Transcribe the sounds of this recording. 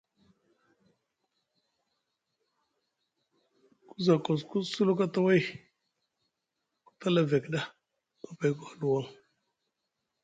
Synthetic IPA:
ku˦za˨ko˨s̬ku˦su˦lu˦ka˦ta˦wa˦j | ku̥˦ta˦la˦ve˨kɗa˦ | a˦pa˨jku˦xa˦lu˨wa˦ŋ

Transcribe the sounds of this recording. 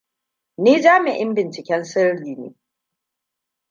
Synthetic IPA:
neː˦d͡ʒaː˦mɪ˨ʔɪ˦mbɪ˨nt͡ʃɪ˨kʲɛ˦nsɪ˦ɽɽiː˨nḛː˨˦

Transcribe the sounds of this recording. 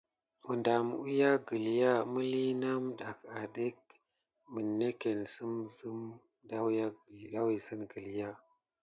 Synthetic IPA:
mu˨nda˨m˨u˦ja˦ɡə˨lja˦mə˦li˦na˦mɗa˨ka˨ɗe˦k̚ | mə˨nːe˦ke˨nsə˦mzə˦m | da˦wa˦˨da˦wi˨sə˦nɡə˨lja˦

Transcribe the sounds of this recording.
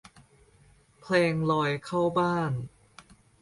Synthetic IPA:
pʰleː˧ŋlɔː˧jkʰa˥˩wbaː˥˩n

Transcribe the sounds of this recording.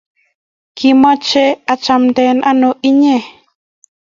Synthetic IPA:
kimɔ˦t͡ʃɛ˦a˨t͡ʃamt̪ɛnʔa˦no˨ʔi˦ɲe˨

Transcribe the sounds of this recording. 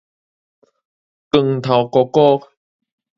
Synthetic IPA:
kɨ˨˩ŋt̪ʰa˨˩wkɔ˧kɔ˥˦˧k

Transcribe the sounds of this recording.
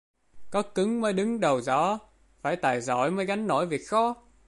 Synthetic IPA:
kɔ˨˦kɨ˨˦ŋməː˨˦jɗɨ˨˦ŋɗə˨˩wzɔ̰˧˥˦ | faː˧˩jt̪aː˨˩jzɔ̰˧˩˨jməː˨˦jɣa˨˦jŋ̟no̰˧˥jvi˨˩ək̚xɔ˨˧˦

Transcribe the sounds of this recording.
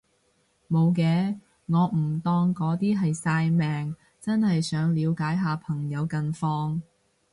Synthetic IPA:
mo˨˧wkɛː˨˧ | ŋɔː˨˧m̩˨˩t̪ɔː˧ŋkɔː˨˧˥t̪iː˥ɦɐ˨jsaː˧jmɛː˨ŋ | t͡sɐ˥nhɐ˨jsœː˨˥ŋliː˨˧wkaː˨˥jɦaː˨˧pʰɐ˨˩ŋjɐ˨˧wkɐ˧nfɔː˧ŋ

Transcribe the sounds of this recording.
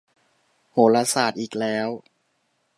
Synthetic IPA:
hoː˩˦la˧saː˨˩t̪̚ʔiː˨˩k̚lɛː˦˥w

